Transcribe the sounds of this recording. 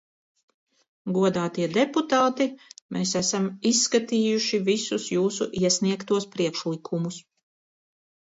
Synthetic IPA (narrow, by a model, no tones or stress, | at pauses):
ɡuɔd̪aːt̪iɛd̪eput̪aːt̪imʔeːsæsamisːkat̪iːjuʃivisusjuːsuʔiɛsniɛkt̪uɔspɾiɛkʃlˠikʰumus